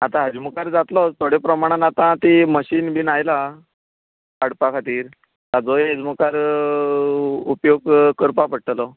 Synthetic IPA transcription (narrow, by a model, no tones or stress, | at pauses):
at̪ãɦəd͡ʑmukaɾd͡zat̪lɔt̪ʰoɽepɾəmaɽ̃anat̪ãt̪iməɕiːnbinajla | kaɽpakʰat̪iːɾ | t̪ad͡zoed͡zmukaɾ | upjoɡkəɾpapəɽʈ̪əlɔ